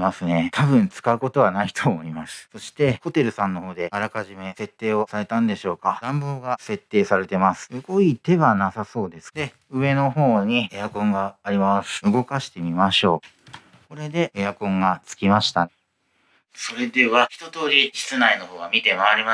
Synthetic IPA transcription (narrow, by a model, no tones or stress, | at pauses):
masɨne̞t̪ʰaβɯ̟̃nt͡sɨ̥kaɯ̟ko̞t̪o̞β̞anait̪ʰo̞ːmo̞imasɨ̥so̞ɕi̥t̪e̞ho̞t̪e̞ɾɯ̟sãnːo̞ho̞ːd̪e̞aɾakaʑime̞se̞t̪ːe̞ːo̞saɾe̞t̪ãnd̪e̞ɕo̞ːkad̪̥ãmboːɡase̞t̪ːe̞ːsaɾe̞t̪e̞masɨ̥ɯɡo̞it̪e̞βanasaso̞ːd̪e̞sɨ̥d̪̥e̞ | ɯ̟βe̞no̞ho̞ːɲ̟iejakõ̞ŋɡaːɾʲimasɨ̥ɯ̟ɡo̞kaɕi̥t̪e̞mʲimaɕo̞ː | ko̞ɾe̞d̪e̞ːjakõ̞ŋɡat͡sɨ̥kʲimaɕi̥t̪a | so̞ɾe̞d̪e̞βaçi̥t̪o̞t̪o̞ːɾʲit͡ɕi̥t͡sɨnaino̞ho̞ːɡamʲit̪e̞maaɾʲima